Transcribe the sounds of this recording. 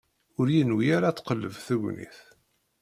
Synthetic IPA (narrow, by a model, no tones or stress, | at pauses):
ʊɾjinwijaɾat͡sːqəlːəvθəʝʷnḭθ